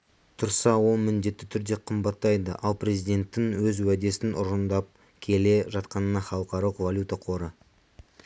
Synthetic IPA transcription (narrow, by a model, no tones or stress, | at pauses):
t̪ʰʊɾsɑwo̞lˠmɪnd̪e̞t̪ːɪt̪ʰʏɾd̪e̞qʰəmbɑt̪ːɑjd̪ə̰ʔɑlˠpɾe̞zijd̪ʲe̞nt̪ːɪŋwɵzwæd̪e̞sɪnʔʊ̰ɾənd̪ɑp̚ | kʲʰe̞le̞ʒɑt̪qɑnənɑχɑlˠəqɑɾɑlˠəqvalʲjut̪aqʰo̞ɾə